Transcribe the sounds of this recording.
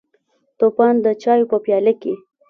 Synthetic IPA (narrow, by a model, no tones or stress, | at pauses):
t̪opɑnd̪ət͡ʃɑjopəpjɑləke